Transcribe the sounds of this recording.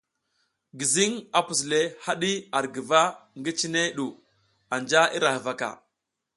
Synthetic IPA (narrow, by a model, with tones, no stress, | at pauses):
ɡi˨zi˦ŋa˨pu˨s̬le˦ha˦ɗi˦a˨ɾɡə˨va˦ŋɡi˦t͡ʃi˦ne˦ɗu˨ | a˨nd͡ʒa˦i˦ɾa˨hva˨ka̰˨